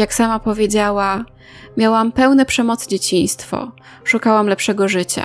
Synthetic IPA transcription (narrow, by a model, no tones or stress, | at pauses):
jaksamapɔvʲjed͡ʑawa | mʲjawampɛwnɛpʂɛmɔt̪sd͡ʑet͡ɕiɲ̃st̪fɔ̰ | ʂukawamlɛpʂɛɡɔʐɘt͡ɕa̰